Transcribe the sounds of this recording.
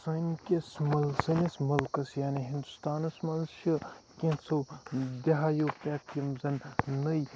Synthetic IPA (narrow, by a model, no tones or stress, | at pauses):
sɐnkʲesmɐlsɐnesmɐlkɐsjaːneɦĩnd̪ust̪aːnɐsmaːnzʃʰikʲẽt͡sʰod̪eɦaːjoːpʲaːkjɐmzɐnːəj